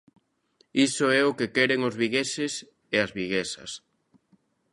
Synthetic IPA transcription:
isʊɛʊkekɛɾeŋozβiɣesɪs | eɐzβiɣesɐ̰s

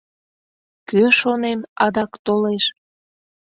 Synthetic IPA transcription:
køʃonemɑd̪ɑkt̪oleʃ

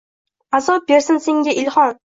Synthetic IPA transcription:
azɒp̚beɾsɪnseŋɡʲaʔɪlhɒn

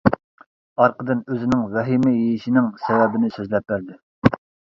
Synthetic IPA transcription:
ɑɾqʰəd̪ɨnøzɪnɪŋvɛɦimɪjejiʃinɪŋsɛvɛbɪnɪsøzlɛp̚ːæɾd̪ɪ

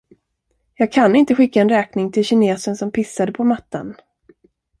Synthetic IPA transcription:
jɑːɡ̚kʰanɪnt̪əɧɪkːaɛnɾɛːknɪŋt̪ʰɪlɕɪneːsənsɔmpʰɪsːad̪əpʰɔmat̪ːa̰n

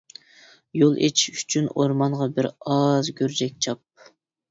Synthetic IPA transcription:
jolˠʔet͡ʃʰi̥ʃyt͡ʃʰynoɾmɑnʁɑbɪɾɑzɡʲøɾd͡ʒɛk̚ʲt͡ʃʰɑp̚

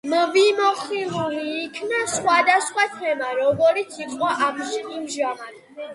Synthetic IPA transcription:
mvimɔχiluliːkʰnasχwad̪asχwat̪ʰɛmaɾɔɡɔɾit̪siqʼɔʔamʃiχʼimʒama

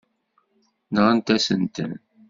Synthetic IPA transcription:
nəʁənt̪æsənt̪ə̰n

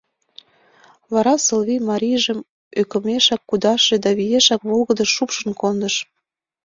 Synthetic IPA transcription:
βɑɾɑsəlβijmɑɾʲijʒəm | økə̆meʃɑkːud̪ɑʃed̪ɑβijeʃɑkβolɣəd̪əʃːupʃənkond̪əʃ

